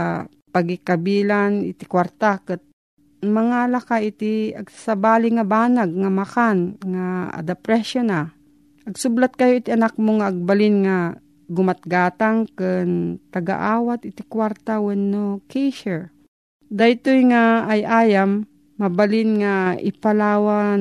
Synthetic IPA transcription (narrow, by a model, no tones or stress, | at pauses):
pɐɡɪkabiːlanɪt̪ɪkwaɾt̪akɨt̪̚ | mɐŋalakaɪt̪ɪɐɡasabaːlɪŋabaːnaɡ̚ŋamakanŋaa̰d̪apɾɛʃjona | ʔɐɡsʊblat̪̚kɐjoʔɪt̪ɪɐnak̚moŋaʔːɡ̚balɪnŋa | ɡʊmat̪̚ɡaːt̪aŋkɨnt̪ɐɡa̰ʔaːwat̪ɪt̪ɪkwaɾt̪awɛnːokɛjʃɛɹ | d̪ajt̪ojŋaːjʔaːjamː | ɐbalɪnŋaɪ̰palaːwa